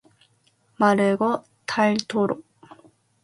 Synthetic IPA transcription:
maɾɯɡo | t̪ʰailt̪ʰoɾo

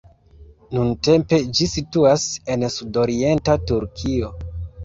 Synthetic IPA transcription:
nunte̞mpe̞d͡ʒisituase̞nsudoɾie̞ntatuɾkʰio̞

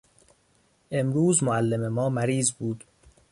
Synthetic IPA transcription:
ʔe̞mɾuːzmoælːememɒːmæɾiːzbuːd̪

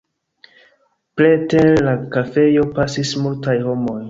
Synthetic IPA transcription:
pletelakafe̞jo̞pasismultajho̞mo̞j

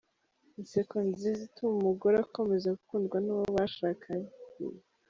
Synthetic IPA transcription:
insekonzizitʰumumuɡoɾeako̞mezaɡukuːndɡwanuβoβaʃaːkʰaɲkṵj

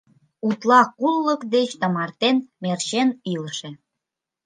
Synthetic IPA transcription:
ut̪lɑkulːəkd̪et͡ɕt̪ə̆mɑrt̪enmert͡ɕeniləʃĕ

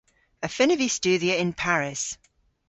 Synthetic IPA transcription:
əfɪnɪvist͡ʃʉːdiəɪ̃npʰaɹɪs

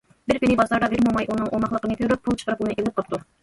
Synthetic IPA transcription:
bɪɾpinɪbɑzlɑɾd̪ɑbɪɾmomɑjʔunɨŋʔomɑχlˠəqənɨp̪ʰyɾup̚pʰːulˠt͡ʃʰə̥qʰəɾɨp̚unɨʔelɪp̚qʰəlˠp̚t̪u

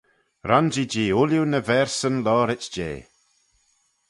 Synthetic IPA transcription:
ɾʔand͡ʒid͡ʒiːʊljunəvɛɹsənlɔːɾɪt͡ʃd͡ʒḛː

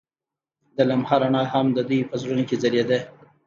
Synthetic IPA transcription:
d̪əlamhaɾaɳɑjhamd̪əd̪ujpəzɾunokezaɾjed̪ə

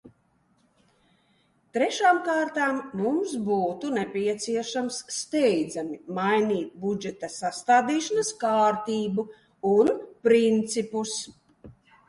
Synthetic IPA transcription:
t̪ɾɛʃaːmkaːɾt̪aːmːumsbuːt̪unɛpʲiɛt̪siɛʃamsːt̪ɛjd̪zamimajniːt̪̚bud͡ʒɛt̪asast̪aːd̪iːʃanaskaːɾt̪iːbu | unpɾint̪sipus

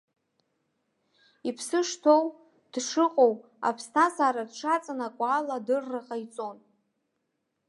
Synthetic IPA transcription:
ipʰsɨʂtʰo̞w | d̥ʂɨqʼo̞w | a̰pʰstʰazaːɾadʂat͡sʼanakʷʼaːladɨrːaqʼajt͡sʼo̞n

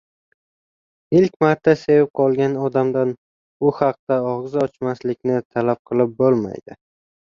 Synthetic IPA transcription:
ɪlkʲmaɾt̪ʰːase̞vɪp̚qʰɒlˠɡʲanɒd̪amd̪an | ʊhɑq̚t̪aɒʁzɒt͡ʃmaslɪk̚ʲnɪt̪ʰalap̚qʰɨlˠɪp̚bolˠma̰jd̪̥ɪ̰

